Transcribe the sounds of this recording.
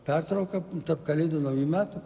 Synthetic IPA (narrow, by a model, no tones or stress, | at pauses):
pʲɛrt̪ɾɐʊkɐt̪ɐpkɐlʲeːd̪ʊnɐʊjumʲæːt̪ʊ